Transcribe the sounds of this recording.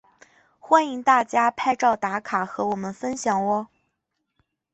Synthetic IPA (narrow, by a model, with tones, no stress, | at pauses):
xwa˥ni˧˥ŋt̪a˥˩t͡ɕja˥pʰa˥˧ɪʈ͡ʂɑ˥˩ʊt̪a˧˥kʰa˨˩xɤ˧˥wɔ˨˩mə˦nfə˥nɕjɑ˨˩ŋwɔ˧˥